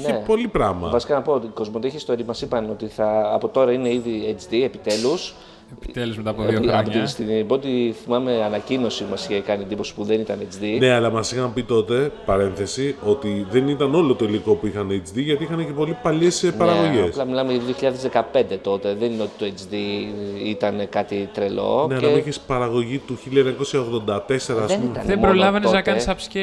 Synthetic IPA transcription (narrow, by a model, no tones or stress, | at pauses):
çnepo̞lipɾɐmɐ̰vɐsikɐnɐpoot̪iko̞zmot̪içist̪o̞ɾiɐmɐsipɐno̞t̪iθɐːpo̞t̪o̞ɾɐine̞iðiet͡sd̪iepit̪e̞lus | t̪eluzmet̪aɐpoɐpot̪inst̪iiboot̪iθimɐme̞ɐnɐcino̞simɐscekɐniend̪ipo̞si̥puðe̞nit̪ɐnet͡sðine̞ɐlɐmɐsixɐmpit̪o̞t̪e̞pɐɾe̞nθe̞sio̞t̪iðe̞nit̪ɐno̞lo̞t̪o̞iliko̞puixɐnet͡ʃd̪iʝɐt̪iixɐnece̞po̞lipɐʎespɐɾɐɣo̞ʝeslɐmilɐmejɐðioçiʎɐðezðe̞kɐpe̞nd̪e̞t̪o̞t̪e̞ðe̞nineo̞t̪i̥t̪oet͡ʃd̪iit̪ɐnkɐt̪it̪ɾelo̞̰neɐɐmuiçespɐɾɐɣo̞ʝit̪uçiliɐeɲɐko̞sjɐo̞ɣðo̞nd̪ɐt̪e̞se̞ɾɐːsenuimet̪ɐnebɾolɐvɐneznɐkɐnssɐpsce